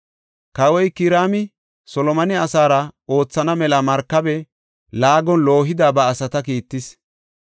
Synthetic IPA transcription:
kɐwɔjkɪɾaːmɪ | sɔlɔmɐnɪɐsaːɾɐo̞ːt͡sːɐnɐmɛlɐmɐɾkːɐbɛ | laːɡɔnlo̞ːɦɪd̪aːbɐːsɐt̪ɐkiːt̪ːɪs

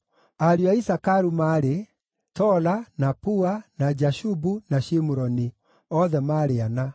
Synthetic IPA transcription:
aɾiaisakaɾumaːɾe | tɔlanapuanad͡ʒaʃubunaʃimuɾɔni | ɔðɛmaːɾeana

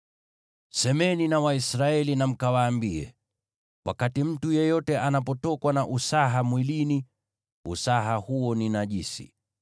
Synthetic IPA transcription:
sɛmɛninawaisɾaɛlinam̩kawaːmbiɛ̰ | wʔa̰katim̩tujɛjɔtɛʔanapɔtɔkwanaʔusaɦamwilini | usaɦahuɔninaʄisḭ

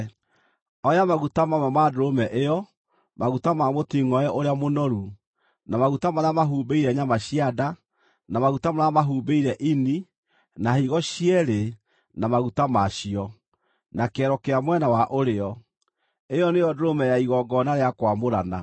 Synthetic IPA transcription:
ɔjamaɣutamamamadoɾomɛʔejɔ | maɣutamamotiŋɔɛʔoɾeamonɔɾu | namaɣutamaɾamaɦuːbeiɾɛɲamaɕiada | namaɣutamaɾamaɦuːbeiɾɛʔini | nahiɣɔɕiɛɾe | namaɣutamaɕiɔ | nakɛɾɔkeamwɛnawaʔoɾeɔ | ejɔnejɔdoɾomɛjaiɣɔɡɔnaɾeakwamoɾana

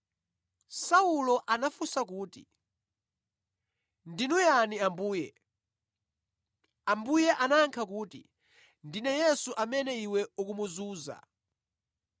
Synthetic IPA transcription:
saulɔʔanafusak̬uːtḭ | ndinujaniambuːjɛ | ambujɛʔanaŋkʰakuːtḭ | ndinɛjɛsuʔamɛnɛiwɛukumuzuːza̰

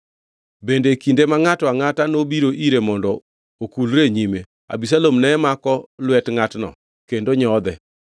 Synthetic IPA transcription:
bendekindemaŋatɔaŋatanobiɾoʔiɾemɔndɔ | okulɾeɲime | a̰bis̬alomnɛːmakɔlwɛtŋatnɔ̰ | kendoɲɔd̪ɛ̰

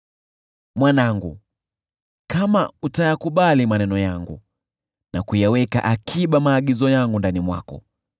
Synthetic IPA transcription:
mwanaŋɡṵ | kamautajakuɓalimanɛnɔjaŋɡṵ | nakujawɛka̰ʔakʰiɓamaːɠizɔjaŋɡundanimwa̰kɔ̰

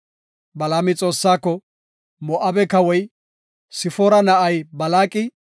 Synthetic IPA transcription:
bɐlaːmɪt͡sʼo̞ːsːaːkːɔ | mɔʔɐbɛkɐwɔj | sɪfɔɾɐnɐʔɐjbɐlaːkʼɪ

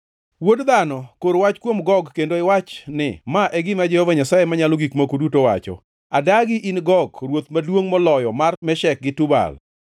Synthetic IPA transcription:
wodd̪anɔkoɾwat͡ʃkwomɡɔɡkendoɪwat͡ʃnɪ̰maʔɛɡɪmad͡ʒɛhɔvaɲasajemaɲalɔɡikmakudutowa̰t͡ʃɔ̰ | adaɡɪʔinɡɔɡɾwot̪madwoŋmɔlɔjɔmarmɛʃɛk̚ɡɪtʊba̰l

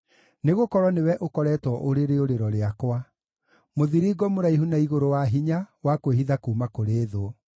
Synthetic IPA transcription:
neɣokɔɾwɔnewɛʔokɔɾɛːtwɔʔoɾeɾeoɾeɾɔɾeakwa | moðiɾiɡɔmoɾaiɦunaiɣoɾowaɦiɲawakweɦiðakuːmakoɾeːðoɔ

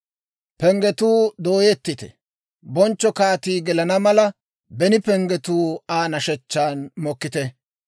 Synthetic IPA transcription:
pɛŋɡɛt̪uːd̪oːjɛt̪ːɪt̪ɛ̰ | bɔnt͡ʃːɔkaːt̪iːɡɛlɐnɐmɐlɐ | bɛnɪpɛŋɡɛt̪uːaːnɐʃɛt͡ʃːaːnmɔkːɪt̪ɛ

